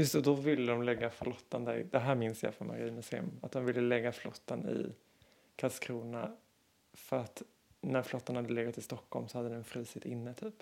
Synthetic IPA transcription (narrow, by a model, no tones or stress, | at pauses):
jɵst̪ɔd̪ɔvɪlːəd̪ɔmlɛɡːaflɔt̪ːand̪æɾd̪ɛɦæːɾmɪnsjɑ̰ːfɾɔnma̰ɾiːməsɛ̰mat̪̚d̪ɔmvɪlːəlɛɡːaflɔt̪ːanɪ̰ | kʰaskʰɾuːna | fœɾat̪ | næɾflɔt̪ːanhad̪ːəleːɡat̪ʰːɪst̪ɔkːɔlmsɔhad̪ːəd̪ɛnfɾiːsɪt̪ɪnːət̪ʰyːp